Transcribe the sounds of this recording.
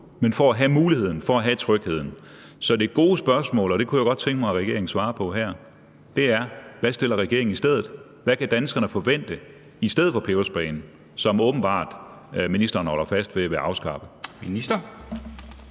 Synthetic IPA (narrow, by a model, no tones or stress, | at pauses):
menfɒæɦæmuːlihe̝ð̰ˠn̩fɒ̽æɦæt͡sʰʁœɡ̥he̝ð̰ˠn̩ | sɒ̽d̥e̝ɡ̥o̝ːsb̥ɶɐsmɔ̰ːlɒ̽ɾ̥e̝kʰujaɡ̥ɒ̽d̥̚t͡sʰeŋɡ̥əmɑ̈ɪʁɛɡ̥e̝ɐeŋn̩sʋɑ̈ːpʰɒ̽ɦæɐ̰ | d̥e̝æɐʋæsd̥e̝l̰ɐʁɛɡ̥e̝ɐeŋnisd̥eð̰ˠð̩ˠ | ʋækʰæd̥ænsɡ̥ɐnəfɒ̽ʋen̰d̥ə | isd̥eð̩ˠfɒ̽pʰeːʊsb̥ɛːnn̩ | sɒ̽mɔ̽ːb̥n̩b̥ɑ̰̈ːd̥minisd̥ɐːnhɒ̽lɐfæsd̥ʋe̝æʋeʔɑ̈ʊsɡ̥ɑ̈ːb̥əminisd̥ɐ